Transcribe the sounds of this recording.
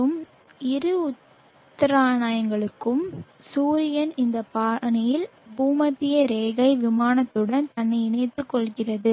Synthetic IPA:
ɯm | ɪɾɯʊt̪ː | ɐɾaːnaːjɐŋɡɐɭɯkːɯm | suːɾɪjɐnɪnd̪ɐpaːnɐjɪl | buːmɐtːɪjɐɾeːɣɐɪʋɪmaːnɐt̪ːɯɽɐnt̪ɐɳːɐɪɪnɐɪt̪ːɯkːɔɭɣɪrɐðɯ

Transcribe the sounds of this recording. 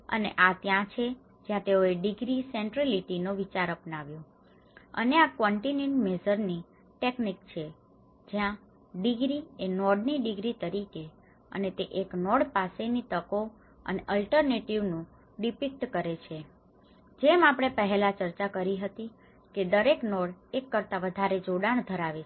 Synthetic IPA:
ə̰nḛʔat̪jãt͡ʃʰe | d͡ʒjãt̪eoeɖiɡɾiseɳʈɾeliʈinoʋit͡ʃaɾəpnaʋjo | ə̰neakʋɔɳʈineɳʈmezəɾni | ʈeknik̚t͡ʃʰe | d͡ʒjã | ɖiɡɾienɔɽniɖiɡɾit̪əɾike | ə̰net̪eʔeknɔɽpasenit̪əko | ə̰neʔəlʈəɾneʈiʋnũ | ɖipik̚ʈkəɾet͡ʃʰe | d͡ʒemapɽ̃epəɦɛlat͡ʃəɾt͡ʃakəɾiɦət̪i | ked̪əɾeknɔɽekːəɾt̪aʋəd̪ʱaɾed͡ʒoɽaɳ̃d̪ʱəɾaʋe

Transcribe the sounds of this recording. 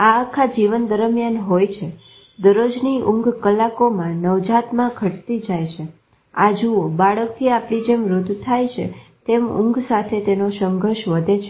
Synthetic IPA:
aəkʰad͡ʒiʋənd̪əɾəmjanɦojt͡ʃʰe | d̪əɾod͡ʒniʔʊ̃ŋɡkəlakomãnəʋd͡ʒat̪mãɡʱəʈt̪id͡ʒajt͡ʃʰe | ad͡ʒuobaɭək̚t̪ʰiapɽid͡ʒemɾʊd̪ʱt̪ʰːajt͡ʃʰḛt̪emʊ̰̃ŋɡsat̪ʰet̪enosəŋɡʱəɾʃʋəd̪ʱet͡ʃʰe

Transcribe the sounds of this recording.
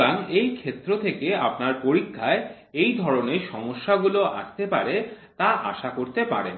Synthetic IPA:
aŋejkʰet̪ːɾot̪ʰekeapnaɾpoɾikʰːae | ejd̪ʱɔɾoneɾʃɔmoʃːaɡuloʔa̰ʃt̪epaɾe | t̪aʔa̰ʃakoɾt̪epa̰ɾen

